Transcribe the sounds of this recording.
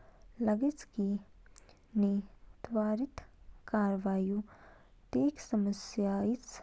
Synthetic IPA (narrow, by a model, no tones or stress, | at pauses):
lɐɡet͡ʃki | nit̪ʋaːɾɪt̪kaːɾʋaːjut̪eːksɐməsjaːit̪s